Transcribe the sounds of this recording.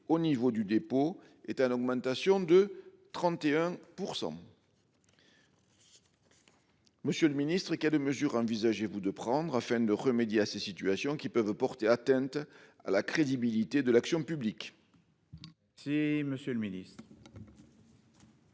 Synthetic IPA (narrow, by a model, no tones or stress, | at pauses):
onivod̪yd̪epo | ɛt̪ɛnɔɡmɑ̃t̪asjɔ̃d̪ət̪χɑ̃t̪eɛ̃puʁsɑ̰̃ | məsjøləminist̪χəkɛlməzyʁɑ̃vizaʒevud̪əpχɑ̃d̪ʁafɛ̃d̪əʁəmed̪jeasesit̪yasjɔ̃kʲipœvpɔʁt̪eat̪ɛ̃nt̪a̰lakχed̪ibilit̪ed̪əlaksjɔ̃pyblik | siməsjøləminist̪χ